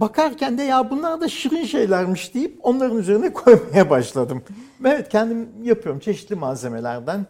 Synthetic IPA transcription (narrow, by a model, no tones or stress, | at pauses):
bakʰaɾcʰænd̪ejaːbunlˠaɾd̪aʃiɾinʃe̞jlʲæɾmɯʃd̪̥ejip̚o̞nlˠaɾɯnyze̞ɾinɛkʰo̞jmajabaʃlˠad̪ɯmevɛt̪cʰɛnd̪imjapʰɯjo̞ɾumt͡ʃʰe̞ʃi̥t̪lʲimaːze̞me̞lʲæ̰ɾd̪æn